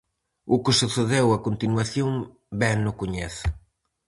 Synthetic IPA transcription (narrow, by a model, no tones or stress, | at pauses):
ukɪsuθeðewakont̪inwaθjom | bɛnʊkoɲɛθ